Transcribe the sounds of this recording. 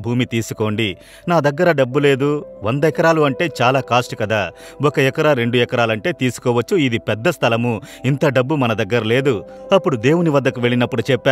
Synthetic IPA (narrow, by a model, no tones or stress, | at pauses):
bʱuːmit̪iːsu̥ko̞ːɳɖi | naːd̪ɐɡːɐɾɐɖɐbːule̞ːd̪uʋɐnd̪ɐɛkɐɾaːluɐɳʈe̞ːt͡ʃaːlaːkaːsʈukɐd̪aːwɔkɐɛkɐɾaɾe̞ɳɖuɛkɐɾaːlɐɳʈe̞ːt̪iːsu̥kɔːʋɐt͡ʃːuid̪ipɛd̪ːɐst̪ʰɐlɐmuint̪ɐɖɐbːumɐnɐd̪ɐɡːɐɾɐle̞ːd̪u | ɐpːuɽud̪e̞ːwuniʋɐd̪ːɐkuʋe̞ɭinɐpːuɽut͡ʃɛpːaː